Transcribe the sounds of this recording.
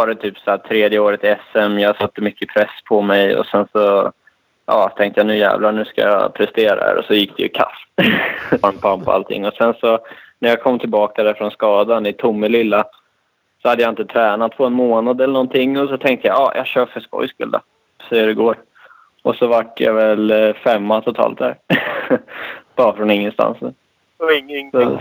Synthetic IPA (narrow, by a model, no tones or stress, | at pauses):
vɑːɾɛt̪ʰyːpsæːʈ̪ʰɾeːd̪jəoːɾɪt̪ɛsɛmjɑːɡsat̪ːəmʏkːəpʰɾɛsːpʰɔmɛjɔ̰sɛnsɔ | ʔɑ̰ːt̪ʰɛŋkt̪əjanʉ̟ːjæ̰ːvlanʉ̟ːska̰jɑ̰pʰɾɛst̪eːɾa̰hæ̰ɾʔɔ̰sɔjɪk̚ːd̪̥ɛ̰jʉkʰa̰f | ɾmpʰampʰɔa̰lt̪ʰɪ̰ŋːɔsɛnsɔnæjakʰɔmːt̪ʰɪlbɑːk̚ad̪æɾfɾɔnskɑːd̪anɪt̪ʰʊmːɪlɪlːa | sɔhad̪ːəjaɪnt̪ət̪ʰɾɛːnat̪̚pʰɔɛnmoːnad̪ɛlːəɳɔnt̪ʰɪŋːɔs̬ɔt̪ʰɛŋk̚t̪əja̰ʔɑ̰ːjʔɑ̰ɕøːfœʂpɔ̰jskɵ̰ld̪a̰ | sɛjːəɾɪɡoːɾ | ʔɔsɔvaʈːja̰vɛlfɛmːat̪ʰʊt̪ʰɑ̰ːlt̪̚d̪æ̰ːɾ | b̥ɑːɾafɾɔnɪŋːənst̪a̰nsnʉ̰ː | ɔɪŋː